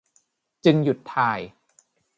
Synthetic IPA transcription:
t͡ɕɯ˧ŋju˨˩t̪ʰːaː˧j

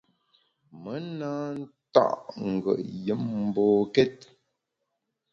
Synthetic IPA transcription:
mə˨˦na˦n̩˦ta̰˦ʔŋ̩˨ɡə̰˨ʔjə˨˦mm̩˦bɔː˨kɛ˦t̚

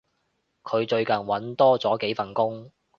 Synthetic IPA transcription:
kʰɵ˨˧ɥt͡ʃɵ˧ɥkɐ˨˩nwɐ˨˥nt̪ɔː˥t͡sɔː˨˥ke˨˥jfɐ˨˩nkʊ˥ŋ

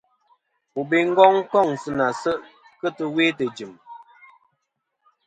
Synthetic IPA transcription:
pu˨be˨ŋ̩˦ɡɔ˦ŋ˦kɔ˦˨ŋsɨ˦na˨sə˦ʔ | kə˦tə˨weː˦tə˨d͡ʒi˨m

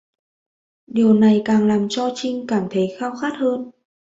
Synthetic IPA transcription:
ɗi˨˩əwna˨˩jkaː˨˩ŋlaː˨˩mt͡ɕɔ˧t͡ɕï˧ŋ̟kaː˧˩mt̪ʰə˨˦jxaː˧wxaː˦˥t̚həː˧n

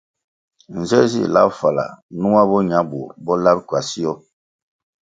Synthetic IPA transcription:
n̩˨zɛ˦zḭ˦˨la̰˦pfa˨la̰˨nu˦a˦bɔ˦ɲ˨a˨˦bu˨bɔ˦la˦p̚kwa˨si˦jɔ˦

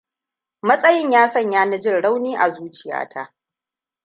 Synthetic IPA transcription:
mɐ˦sʼɐ˦jɪ˦ɲjaː˦sɐ˦˨ɲjaː˦nɐ˦d͡ʒɪ˦nɽa˦wniː˦ʔa˨zuː˦t͡ʃɪ˨ja̰ː˦tʰa̰˦

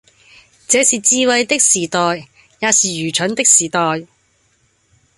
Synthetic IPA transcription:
t͡sɛː˨˥siː˨t͡siː˧wɐ˨jt̪ɪ˥k̚siː˨˩t̪ɔː˨jː | aː˨˧siː˨jyː˨˩t͡ʃʰɵ˨˥nt̪ɪ˥k̚siː˨˩t̪ɔː˨j

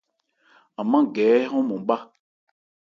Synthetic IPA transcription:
a˨mã˦ɡɛː˨˦ɦɔ̃˦mɔ̃˨˦ba˦

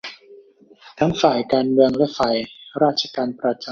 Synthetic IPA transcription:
t̪ʰa˦˥ŋfaː˨˩jkaː˧nmɯ˧əŋlɛː˦˥fa˨˩jɾaː˥˩t̪̚t͡ɕʰa˧kaː˧npɾa˧t͡ɕa˧

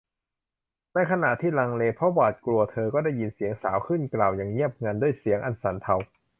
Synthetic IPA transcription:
na˧˥jkʰa˧na˨˩ʔt̪ʰiː˥˩laː˧ŋleː˧pʰɔ˦˥waː˨˩t̪̚klu˧ɐt̪ʰɤː˧kɔː˥˩da˥˩jːi˧nsi˩˦əŋsaː˩˦wkʰɯ˥˩nklaː˨˩wjaː˨˩ŋɲi˥˩əp̚ŋa˧ndu˥˩əjsi˩˦əŋʔa˨˩nsa˨˩˦nt̪ʰa˧w

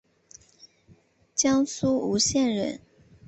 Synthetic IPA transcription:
t͡ɕjɑ˥ŋsu˥u˧˥ɕjɛ˥˩nɻə̰˧˥˦n

